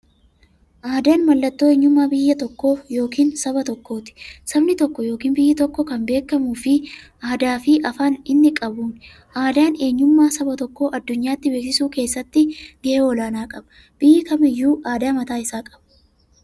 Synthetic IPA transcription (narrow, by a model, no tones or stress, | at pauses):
ʔaːd̪aːnmɐlːɐt̪ːo̞ːe̞ːɲːʊmːaːbɪjːɐt̪ɔkːo̞ːjo̞ːkiːnsɐbɐt̪ɔkːo̞ːt̪ɪ̥sɐbnɪt̪ɔkːɔjo̞ːkiːnbɪjːɪt̪ɔkːɔkɐmbe̞ːkːɐmuːfɪ | aːd̪aːfɪʔɐfaːnɪnːɪkʼɐbuːn | ʔaːd̪aːne̞ːɲːʊmːaːsɐbɐt̪ɔkːo̞ːʔɐd̪ːʊɲːaːt̪ːɪbe̞ːksɪsuːke̞ːsːɐt̪ːɪɡɛʔeɔlaːnaːkʼɐbɐ̥ | b̥ɪjːɪkɐmɪjːuːʔaːd̪aːmɐt̪aːɪsaːkʼɐ̥b̥ɐ̥